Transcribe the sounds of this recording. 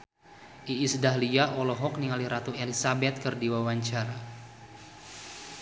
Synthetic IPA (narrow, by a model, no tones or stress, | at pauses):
ʔiːsdaɦliaʔɔlɔɦɔk̚niŋaliɾat̪uelisabɛt̪̚kərdiwawaɲt͡ʃara